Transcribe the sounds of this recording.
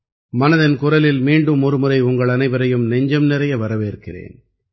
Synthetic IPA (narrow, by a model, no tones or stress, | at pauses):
mɐnɐðɐnkʊrɐlɪlmiːɳɖɯmɔɾɯmɯɾɐɪʊŋɡɐɭɐnɐɪʋɐɾɐjɯmnɛɲd͡ʒɐmnɪɾɐjɐʋɐɾɐʋeːɾɯkːɪrḛːn